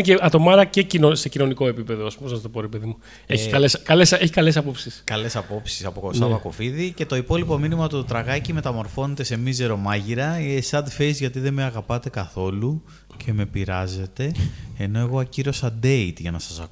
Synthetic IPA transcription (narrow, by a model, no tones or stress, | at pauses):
ceɐt̪o̞mɐɾɐcecinosecino̞niko̞e̞pipe̞ðoosposɐst̪opoɾepeðimu | eçikɐleskɐleseçikɐles̬ɐpo̞psiskɐle̞sɐpo̞psi̥sɐpokosɐvɐko̞fiðice̞t̪o̞ipo̞lipo̞minimɐt̪ut̪ɾɐɣɐcime̞t̪ɐmo̞ɾfo̞ne̞t̪e̞se̞mizeɾo̞mɐʝiɾɐsɐd̪fezʝɐt̪iðe̞meɐɣɐpɐt̪e̞kɐθo̞lu | cʰe̞me̞piɾɐze̞t̪e̞ːno̞e̞ɣo̞ɐciɾo̞sɐd̪e̞it̪ʝɐnɐsɐsɐ̰ku